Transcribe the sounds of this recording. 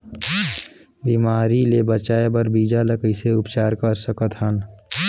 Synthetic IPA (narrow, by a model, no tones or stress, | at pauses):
biːmaːɾilebət͡ʃaːebəɾbiːd͡ʒaləkəiseʊpt͡ʃaːɾkəɾsəkət̪ɦən